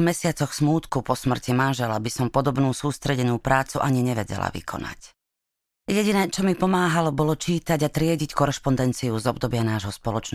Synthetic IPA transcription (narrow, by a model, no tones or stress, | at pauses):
mɛsɪat͡sɔxsmuːt̪kupɔsmr̩cimanʒɛlabisɔmpɔd̪ɔbnuːsuːst̪ɾɛɟɛnuːpɾaːt͡suʔaɲiɲɛʋɛɟɛ̰la̰ʋḭkʰɔ̰na̰c | jɛɟinɛːt͡ʃɔmipɔmaːɦalɔbɔlɔt͡ʃiːt̪aɟat̪ɾɪɛɟickɔɾɛʃpɔnd̪ɛnt͡siuzɔb̚d̪ɔbɪanaːʒɦɔspɔlɔt͡ʃn